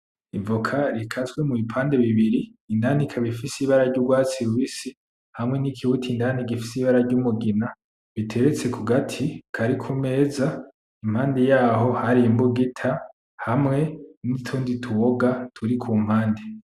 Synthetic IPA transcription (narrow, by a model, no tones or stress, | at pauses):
ivukʰaɾikʰazɡwemuβipʰaːnde̞βiβiɾiː | ndanikʰaβifisiβaɾaɾɟuɡwaːt͡siɾuwisi | hamŋe̞nikʰiwutʰindaniɡifisiβaɾaɾɟumuɡina | βitʰe̞ɾet͡se̞kuɡatʰikʰaɾikʰume̞ːza | im̥haːndejaːɦo̞haɾiimbuɡitʰa | hamŋe̞nitʰuːnditʰuwoɡatʰuɾikʰuːm̥haːnde